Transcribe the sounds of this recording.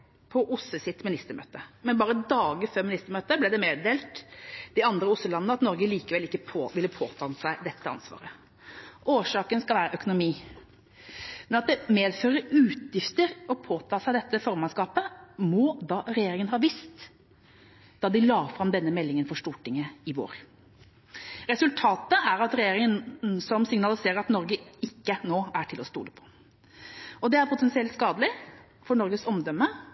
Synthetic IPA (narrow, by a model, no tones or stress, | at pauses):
pʰɔʔʊsːəsɪt̪mɪnɪst̪əɾmø̰ːt̪əmɛnbɑːɾəd̪ɑːɡəføːɾmɪnɪst̪əɾmøːt̪əblɛd̪ɛmeːd̪eːlt̪d̪̥ɪɑnd̪ɾəʊsːəlɑnənəɑt̪nɔɾɡəliːkəʋɛlɪkːəpʰoːʋɪləpʰo̰ːt̪ʰɑːnsæɪd̪ɛt̪ːəɑ̰nsʋɑ̰ːɾə | ʔoːʂɑːkənskɑlʋæːɾəʔœkʊnʊmiː | mɛnɑt̪̚d̪ɛmeːd̪føːɾəʉːt̪ʰjɪft̪əɾɔpʰoːt̪ʰɑːsæɪd̪ɛt̪ːəfɔɾmɑnskɑːpəmɔːd̪ɑːɾɛjeːɾɪŋənɦɑːʋɪst̪ | d̪̥ɑːd̪ɪlɑːfɾɑmd̪ɛnːəmɛlːɪŋənfɔʂʈuːʈʰɪŋəɪʋo̰ːɾ | ɾɛsʉlt̪ʰɑːt̪əæɾɑt̪ɾɛjeːɾɪŋənsɔmsɪŋnɑlɪseːɾəɾɑt̪nɔɾɡəɪkːənoːæʈʰɪlɔst̪ṵːləpʰɔ̥ | ʔɔd̪ɛæɾpʰʊt̪ɛnsɪɛlt̪skɑːd̪əlɪ | fɔɳɔɾɡəsɔmd̪ɔmːə